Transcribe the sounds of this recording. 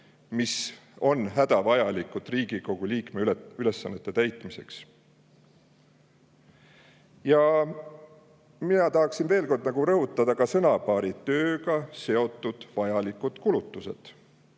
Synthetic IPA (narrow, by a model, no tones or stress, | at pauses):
miso̞nɦæd̪̥ɑvɑjɑlikːˑud̪̥riːɡ̥iko̞ɡ̥uliːkmeyyle̞sːɑnːet̪ːe̞t̪æjt̪ˑmise̞̰ks | jɑ | minɑt̪ɑɦɑksinve̞ːlko̞rd̪nɑɡ̥uɾɤɦut̪ːˑɑd̪̥ɑkɑsɤnɑpɑːɾit̪ø̞ːɡɑse̞o̞t̪ːˑud̪̥vɑjɑlikud̪̥kulut̪ːˑuse̞̰d̪̥